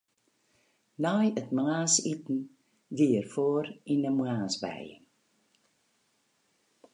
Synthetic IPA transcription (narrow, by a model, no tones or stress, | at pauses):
najətmlaːsitn̩ | ʋiərfoːrinəmwaːsbɛ̰j